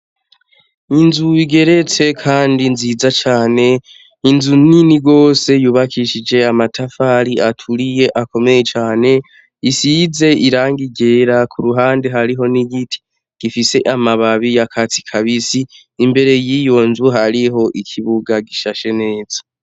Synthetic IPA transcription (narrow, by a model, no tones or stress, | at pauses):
inzuiɡe̞ɾe̞t͡se̞kʰaːndinziːzat͡ʃaːne̞ | inzuniniɡo̞ːse̞juːβakʰiʃid͡ʒe̞amatʰafaɾiatʰuɾije̞ʔako̞me̞je̞t͡ʃaːne̞ | isize̞iɾaːŋɡiɡe̞ːɾakʰuɾuɦaːnde̞ɦaɾiɦo̞niɡitʰi̥ | ɡ̥ifise̞ʔamaβaβijakʰat͡si̥kʰaβisiː | mbe̞ɾe̞jiːjo̞nzuɦaɾiɦo̞ʔikʰiβuɡaɡiʃaʃe̞ne̞ːz̥ḁ